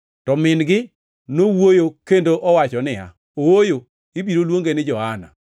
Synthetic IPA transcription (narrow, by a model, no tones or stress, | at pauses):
tɔmɪnɡɪ | nowojokendoʔɔwat͡ʃɔnɪa̰ | owojo | ibiɾolwoŋɡenɪd͡ʒɔhana̰